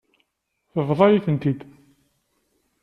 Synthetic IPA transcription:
θəvðˤɑjiθənt̪id̪

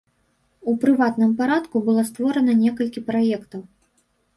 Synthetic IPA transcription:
upɾɨvat̪nɨmpaɾat̪kubɨlˠɔst̪vɔɾɐnɐnʲɛkɐlʲkʲipɾajɛkt̪ɐw

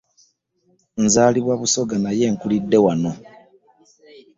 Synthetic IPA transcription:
nzaːliβwaβuso̞ɡanaje̞ːŋkulidːe̞wano̞

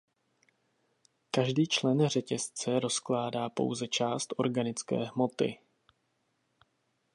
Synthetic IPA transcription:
kaʒdiːt͡ʃlɛnr̝ɛcɛst͡sɛɾo̞sklaːdaːpo̞̰wzɛt͡ʃaːst̪ʔo̞̰ɾɡanɪt͡skɛ̰ːɦmo̞t̪ɪ̰

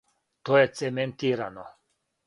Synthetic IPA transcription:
t̪ojɛt̪sɛmɛnt̪iːɾa̰no̰

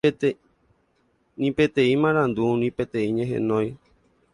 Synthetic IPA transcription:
nĩpe̞t̪ẽĩmãɾãnd̪unĩpe̞t̪ẽ̞ĩɲẽɦḛ̃nõj

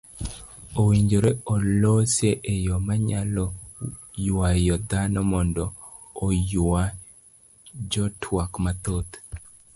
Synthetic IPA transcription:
owiɲd͡ʒoɾeolosjeʔejɔmaɲalɔ | jajɔd̪anɔmɔndɔː | ja | d͡ʒɔtʰwakmat̪ot̪

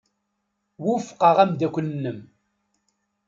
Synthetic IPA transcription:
wʊfqɑʁæmd̪ækʷənːəm

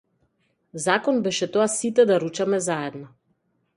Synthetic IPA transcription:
zakɔnbɛʃɛt̪ɔasit̪ɛd̪aɾut͡ʃamɛzaɛd̪nɔ

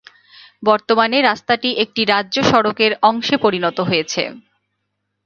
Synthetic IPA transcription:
bɔɾt̪omaneɾast̪aʈiʔek̚ʈiɾadːʑoʃɔɾokeɾɔŋʃepoɾinɔt̪oɦojet͡ɕʰḛ

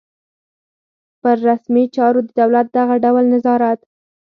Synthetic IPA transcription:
pəɾːasmit͡ʃɑɾod̪əd̪awlat̪̚d̪aɣaɖawlnazɑɾat̪

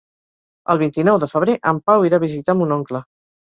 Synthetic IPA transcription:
ə̰lˠβ̞int̪inɔwðəfəβ̞ɾeʔəmpawiɾaβ̞izit̪amunɔŋklə

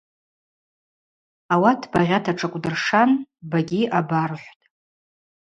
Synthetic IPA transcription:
awatʰbaʁʲatʰaʈ͡ʂʰʼakʷʼdɨrʂanbaɡʲiʔabarħʷtʼ

